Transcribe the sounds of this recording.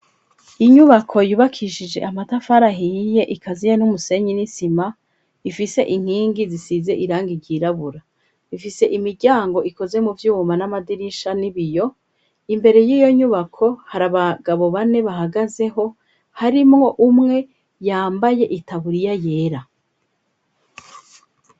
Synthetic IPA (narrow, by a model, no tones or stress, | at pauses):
iɲuβakʰo̞juːβakʰiʃid͡ʒe̞̰ʔamatafaɾaɦije̞ʔikʰazijenumuse̞ɲinisima | ifise̞ʔiŋ̥hiːŋɡizisize̞ʔiɾaːŋɡiɾɟiːɾaβuɾa | ifise̞ʔimiɾɟaːŋɡo̞ʔiko̞ze̞muvjuːmanamadiɾiʃaniβijo̞ | imbe̞ɾe̞jiːjo̞ɲuβakʰo̞haɾaβaɡaβo̞βane̞βaɦaɡaze̞ɦo̞ | haɾimŋo̞ʔumŋe̞ | jaːmbaje̞ʔitaβuɾijaje̞ːɾa